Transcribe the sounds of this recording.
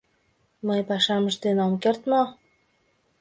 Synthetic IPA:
məjpɑʃɑməʃd̪enomkert̪mo

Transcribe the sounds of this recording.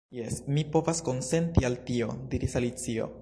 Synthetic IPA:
jesmipo̞vasko̞nse̞ntialtio̞diɾisalit͡sio̰

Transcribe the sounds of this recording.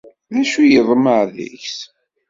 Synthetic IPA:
ðæʃujəðˤməʕðə̰çs

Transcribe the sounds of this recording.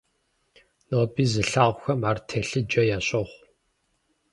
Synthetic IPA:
noːbiːzɨɬaːʁʷxɐmaːrtʰeɬɨd͡ʒɐjaːɕʼɔχʷ

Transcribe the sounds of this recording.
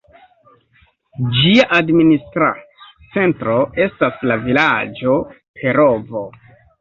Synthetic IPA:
d͡ʒiaʔadministɾa̰ | t͡se̞ntɾo̞e̞staslavilad͡ʒo̞ | pʰe̞ɾovo

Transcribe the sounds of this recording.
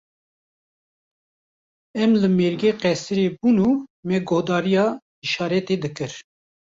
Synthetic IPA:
ɛmlɨmeːɾɡeːqɛsɨɾebunuːmɛɡohd̪ɑːɾijɑː | iʃɑːɾɛt̪eːd̪ɨkɨɾ

